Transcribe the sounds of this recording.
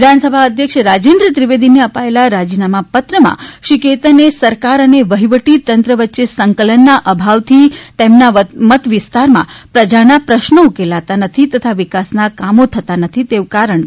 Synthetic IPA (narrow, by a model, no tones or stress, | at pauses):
ɪd̪ʱansəbʱaəd̪ʱjəkʃɾad͡ʒend̪ɾət̪ɾiʋed̪ineəpaelaɾad͡ʒinamapət̪ɾəmã̰ʃiket̪ənesəɾkaɾəneʋəɦiʋəʈit̪ənt̪ɾəʋətːʃesəŋkələnːaʔəbʱaʋt̪ʰit̪emnaʋəmət̪ʋɪst̪aɾmã̰pɾəd͡ʒanapɾəʃnəukelat̪anət̪ʰit̪ət̪ʰaʋɪkasnakamot̪ʰət̪anət̪ʰit̪eʋkaɾəɳ